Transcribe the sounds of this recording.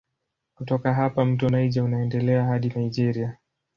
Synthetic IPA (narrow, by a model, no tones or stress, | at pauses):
kutɔkaɦapam̩tɔnaiʄaunaɛndɛlɛaɦaɗinaiʄɛɾia